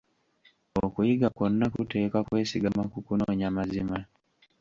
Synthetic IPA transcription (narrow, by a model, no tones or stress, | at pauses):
okuiɡakonnakutekakwesiɡamakukunoɲamazima